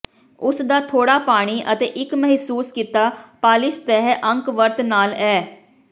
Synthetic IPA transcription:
ʊsd̪aːt̪ʰoːɽaːpaːɽ̃iːʔət̪ḛːʔɪkmɛɦsuːskiːt̪aːpaːlɪʃt̪ɛɦʔə̃ŋkʋəɾt̪naːlɛː

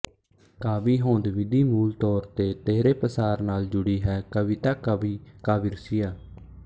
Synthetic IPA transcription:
kaːbiːɦoːnd̪ʋɪd̪iːmuːlt̪ɔːɾt̪eːt̪eːɾeːpəsaːɾnaːld͡ʒʊɽiːɦɛːkəʋɪt̪aːkəbiːkaːbiːɾʊsiːjaː

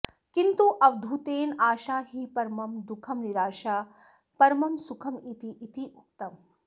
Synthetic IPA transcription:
kint̪uʔɐʋd̪ʱut̪eːnaːʃaːɦipɐɾmɐmd̪ukʰɐmniɾaːʃaː | pɐɾmɐmsukʰɐmit̪iʔit̪iuk̚t̪ɐm

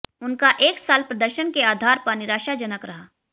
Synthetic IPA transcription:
ʊnkaʔeːksaːlpɾɐd̪əɾʃənkeaːd̪ʱaːɾpəɾnɪɾaːʃad͡ʒənəkɾɐɦaː

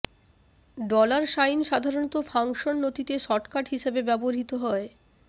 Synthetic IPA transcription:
ɖɔlaɾʃajnʃad̪ʱaɾonɔt̪ofaŋʃonːot̪it̪eʃɔʈkaʈɦiʃebebɛboɾɦit̪oɦɔe

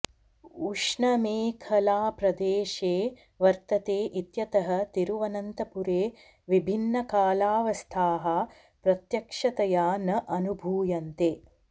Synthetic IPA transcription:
uʂɳɐmeːkʰɐlaːpɾɐd̪eːʂeː | ʋɐɾt̪ɐt̪eːʔit̪jɐt̪ɐɦɐ̆t̪iɾuʋɐnɐnt̪ɐpuɾeː | ʋibʱinːɐkaːlaːʋɐst̪ʰaːɦɐ | pɾɐt̪jɐkʂɐt̪ɐjaːnɐʔɐnubʱuːjɐnt̪eː

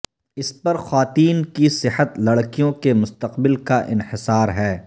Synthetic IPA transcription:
ɪspɐɾxwaːt̪iːnkisɪhət̪lɐɽkijõkemʊst̪əqbɪlkaʔɪ̰nhɪsaːɾɦɛː

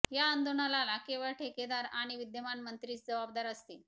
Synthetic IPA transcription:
jaənd̪oɳalalakeʋəɭʈʰeked̪aɾaɽ̃iʋid̪jəmanmənt̪ɾiːt͡sd͡zəʋab̚d̪aɾəst̪i

